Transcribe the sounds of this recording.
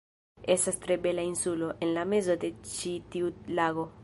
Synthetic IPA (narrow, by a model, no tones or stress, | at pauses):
esast̪ɾebelainsuloʔenlamezod̪et͡ʃit̪iulaɣo